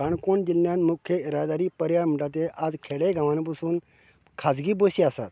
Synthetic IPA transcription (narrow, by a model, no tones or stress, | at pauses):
aɳkoɳd͡ʑ̪ilːjãnmukʰjəiɾad̪aɾiːpəɾjam̤iʈat̪̬eʔad͡zkʰeɽeɡʱãʋãnp̬əsuːn | kʰad͡zɡiːbəɕiasa̰t̪